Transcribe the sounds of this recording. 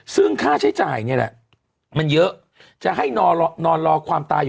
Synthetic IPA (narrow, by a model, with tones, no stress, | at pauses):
sɯ˥˩ŋkʰaː˥˩t͡ɕʰa˦˥jt͡ɕaː˨˩jni˥˩ɐna̰˨˩ | ma˧njɤ˦˥ʔ | t͡ɕa˨˩ɦa˥˩jnː˧nɔː˧nɾɔː˧kʰwaː˧mt̪aː˧ju˨